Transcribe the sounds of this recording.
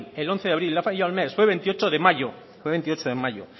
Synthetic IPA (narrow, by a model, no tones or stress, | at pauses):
elonθeðaβɾilːafamiʎaolmesfweβent̪iot͡ʃoðemaʝo | fweβent̪iot͡ʃoðemaʎo̰